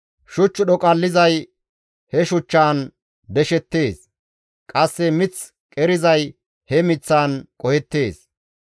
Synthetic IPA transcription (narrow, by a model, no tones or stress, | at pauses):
ʃʊt͡ʃːʊɗɔkʼɐlːɪzɐj | hɛʃʊt͡ʃːaːn | d̪ɛʃɛt̪ːe̞ːs | kʼɐsːɛmɪt͡s | kʼɛɾɪzɐj | hɛmɪt͡sːaːnkʼɔhɛt̪ːeːs